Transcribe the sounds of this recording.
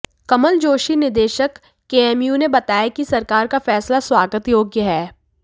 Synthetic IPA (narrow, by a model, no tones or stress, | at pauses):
kɐməld͡ʒoːʃinɪɾd̪eːʃəkː | eːɛːmjunebɐt̪aːjakisɐɾkaːɾkafɛːslaswaːɡət̪joːɡjəɦɛː